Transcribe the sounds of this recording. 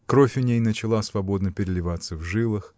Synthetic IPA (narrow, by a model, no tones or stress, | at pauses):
kɾo̞fʲʊnʲejnət͡ɕɪlˠasvɐbo̞d̪nəpʲɪɾʲɪlʲɪvat̪səvʐɨlˠɨx